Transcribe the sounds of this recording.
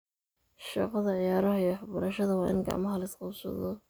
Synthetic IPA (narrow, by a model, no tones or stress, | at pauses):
ʃɑ̰qɑðɐʕɪjaːɾɐɦɐjħɑbɐɾɐʃɐðɐwɑːʔɪ̰nɡa̰ːmɐɦɐlɪsqɑbsɐ̰ðɔ